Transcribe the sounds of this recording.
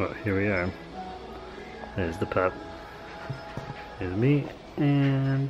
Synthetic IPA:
wʌʔ̚hiɹwiə˞ | ɨzðɨpʰæp̚ | ɪzmi | ɨ̃n

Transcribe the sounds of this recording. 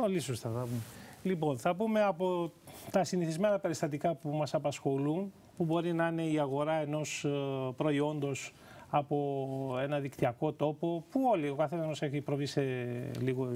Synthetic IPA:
olisost̪ɐθɐpumelipo̞nθɐpume̞ɐpo̞t̪ɐsiniθizme̞nɐpe̞ɾist̪ɐt̪ikɐpumɐsɐpɐsxo̞lun | pubo̞ɾinɐine̞iɐɣo̞ɾɐe̞no̞spɾo̞io̞nd̪o̞s | ɐpo̞e̞nɐðikt̪iɐko̞t̪o̞po̞puo̞lio̞kɐθenɐnose̞çipɾo̞vise̞liɣo

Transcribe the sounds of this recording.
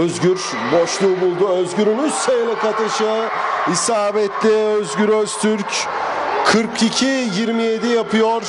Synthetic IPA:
øzɡʲyɾ | boʃlˠuːbulˠd̪uøzɡʲyɾynyssejlʲˠakat̪ɯʃɯisaːbɛt̪lɪøzɟyɾøzt̪ʰyɾc | kʰɯɾkʰicʰijiɾmije̞d̪ijapʰɯjoɾ

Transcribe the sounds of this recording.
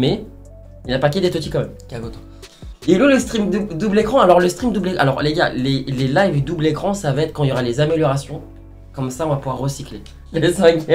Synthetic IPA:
mɛ | ilnapaked̪et̪ot̪ikɑ̃mɛmkaɡot̪o̥ | iloləst̪χimd̪ud̪ublekχɑ̃alɔʁləst̪χimd̪ublea̰lɔʁ̰leɡalelelajvd̪ublekχɑ̃savɛt̪χkɑ̃iljɔʁalezameljɔʁasjɔ̃ | kɔmsaɔ̃vapuvwaʁːəsikle | lesɛ̃ɡ

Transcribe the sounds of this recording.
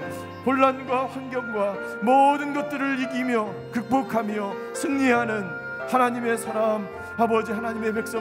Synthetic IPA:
poɭːanɡwaɸwanɡjʌŋɡwa | mʌdɯnɡʌt̚t͈ɯɾɯɭiɡimjʌ | kɯk̚p͈okʰamjʌ | sʰɯŋɲiɦanɯn | hanaɲime̞sʰaɾam | abʌd͡ʑihanaɲime̞pe̞k̚s͈ʌ

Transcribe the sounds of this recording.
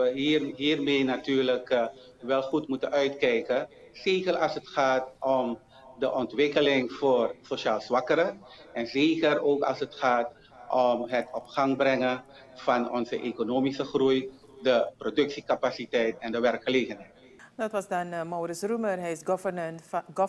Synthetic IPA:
əiɦiːrmeːnatyːrlək | ʋɛlˠχutmutənœɥtkɛjkə | z̥eːkərɑlˠsətχaːtɔm | dəʔɔntʋɪkəlɪŋv̥oːrsoʃaːlzʋɑkəɾəɛnzeːkəroːkɑ̰lˠsətχaːt | ʔɔmɦətɔpχɑŋbrɛŋə | v̥ɑnɔnzəʔekonoːmisəχruj | dəprodɵksikapasitɛjtɛndəʋɛrkχəleːχənɦɛjt | dɑtʋɑsdɑnmowɾɪsrumərɦɛɪsɡɔvənənɡ

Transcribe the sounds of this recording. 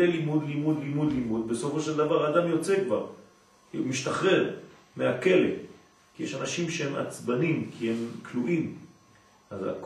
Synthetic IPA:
elimud̪limud̪limud̪limud̪be̞so̞fo̞ʃeld̪avaʁaːd̪amjo̞t͡sekvaʁ | kiṵmiʃt̪aχʁe̞ʁ | meake̞lḛ | kijeʃanaʃimʃehema̰t͡sbanimkʰihemkʰluʔim | aza̰k

